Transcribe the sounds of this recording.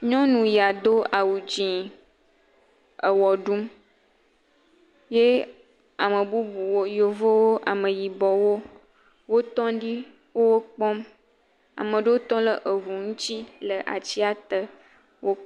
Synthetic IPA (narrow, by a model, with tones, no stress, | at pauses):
ɲɔ̃˦nũ˨ja˨d̪o˦a˨wu˨d͡ʒĩ˨ | ə˨wɔ˨ɖũ˦m | je˦ | a˨mə˨bu˦bu˨wo˦jo˨vo˦wo˦ʔa̰˨mə̃˨ji˨bɔ˨wo˦ | wo˦t̪ɔ̃˦ɖi˦ | wo˦wo˦k͡pɔ˦m | a̰˨mə̃˨ɖe˦wo˦t̪ɔ̃˦lə˨ʔə˨vu˨ŋũ˦t͡ɕ̪i˦lə˨ʔa̰˨t͡ɕi˦a˨t̪ə˦ | wo˦